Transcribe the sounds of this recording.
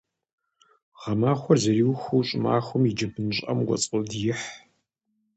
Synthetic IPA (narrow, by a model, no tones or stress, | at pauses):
ʁɐmaːxʷɔrzɐriːwxʷuwɕʼɪma̰ːxʷɔmid͡ʒɐbɨnɕʼɐ̰mɡʷɔ̰t͡sʼɨldjɪħ